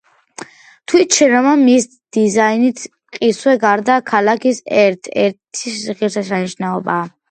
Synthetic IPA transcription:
t̪ʰwit͡ʃʰɛɾamamis | d̪̥izainit̪ʰ | qʼiswɛɡaɾd̪akʰalakʰisɛɾt̪ʰɛ̰ɾt̪ʰissiχiɾsasaniʃnaɔbaː

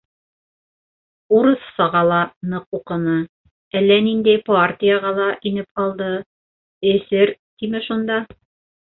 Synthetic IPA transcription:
uɾɤθsɑʁɑlˠɑnɤquqɤ̆nɤ | ælːænind̪æjpart̪ʲijaʁɑlˠɑʔinɘp̚qɑlˠd̪ɤ | ɘ̆sɘɾt̪imɘʃund̪ɑ

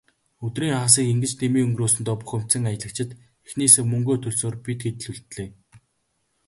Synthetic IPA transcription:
ɵt̪riːŋχaːs̬iːkiŋɡɘ̆t͡ɕt̪ʰemiːŋɵŋɡroːsɘ̆nt̪ɔːpu̥χɵ̆m̥t͡sə̆ŋajə̆ɮə̆kt͡ɕʰɪ̆t̪ | exneːseːmɵŋɡoːt̪ʰɵɮsoːrpit̪ɡet̪ɘ̆ɮuɮt̪ɮeː

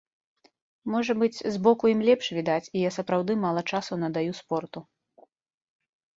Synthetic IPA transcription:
mɔʐɐbɨt͡sʲzbɔkujimlʲɛpʂvʲid̪at͡sʲijasɐpɾawd̪ɨmalˠɐt͡ʂasunɐd̪ajuspɔrt̪u

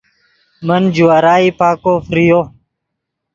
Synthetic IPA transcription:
mənd͡ʑuwaːɾaːiːpaːkoːfɾijo

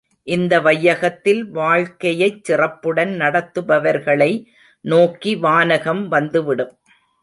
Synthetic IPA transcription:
ʔɪnd̪ɐʋɐjːɐɣɐt̪ːɪlʋaːɻkɐjɐɪt͡ʃsɪrɐpːɯɽɐnnɐɽɐt̪ːɯbɐʋɐɾɣɐɭɐɪ | noːkiʋaːnɐɣɐmʋɐnd̪ɯʋɪɽɯm

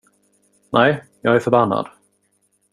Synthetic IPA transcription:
nʔɛj | jɑːɡæɾfœɾbanːa̰d̪̥

